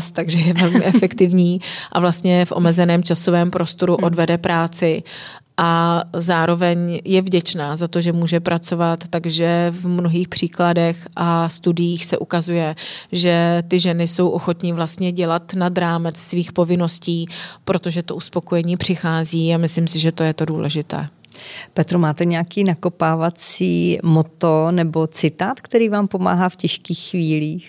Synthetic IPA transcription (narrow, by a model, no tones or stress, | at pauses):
st̪aɡʒɛjɛvɛlmɪʔɛfɛkt̪ɪvɲiːʔavlast̪ɲɛfʔo̰mɛzɛnɛːmt͡ʃaso̞vɛːmpɾo̞st̪o̞ɾuʔʔo̞dvɛdɛpɾaːt͡sɪ | ʔazaːɾo̞vɛɲjɛvɟɛt͡ʃnaːzat̪oʒɛmuːʒɛpɾʔat͡so̞vat̪ːaɡʒɛvmnoɦiːxpr̝̥iːkladɛxʔast̪udɪjiːxsɛʔukazujɛʒɛt̪ɪʒɛnɪso̞wʔo̞xo̞t̪ɲɪvlast̪ɲɛɟɛlat̪nad̪ɾaːmɛt͡ssviːxpo̞vɪno̞sciːpɾo̞t̪o̞ʒɛt̪o̞ʔuspo̞ko̞jɛɲiːpr̥ɪxaːziːamɪslimsɪʒɛt̪ojɛt̪o̞duːlɛʒɪt̪ɛ̰ː | pɛt̪ɾomaːt̪ɛɲɛakiːnakopaːvat͡siːmot̪onɛbo̞t͡sɪt̪aːt̪kt̪ɛɾiːvaːmpo̞ma̰ːɦaːfcɛʃkiːxxviːliːx